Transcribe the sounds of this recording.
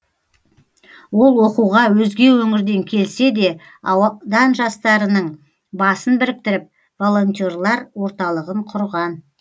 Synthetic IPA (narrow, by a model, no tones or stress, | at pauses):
wo̞lˠwo̞quwʁɑwɵzɡʲe̞wɵŋɪɾd̪e̞ŋkʲʰe̞lse̞d̪e̞ | d̪ɑnʒɑst̪ɑɾənəɴ | bɑsənbɪɾɪk̚t̪ɪɾɪp̚ | vo̞lˠo̞nʲt̪ʲorlˠɑɾwo̞ɾt̪ɑlˠəʁəɴqʰʊɾʁɑn